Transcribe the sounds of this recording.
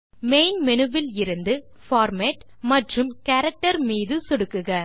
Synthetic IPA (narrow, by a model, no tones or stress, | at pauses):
meɪnmɛnɯʋɪlɪɾɯnd̪ɯ | faːɾmeːʈ | mɐʈrɯmkɐɾɐk̚ʈɐɾmiːðɯsɔɽɯkːɯɣɐ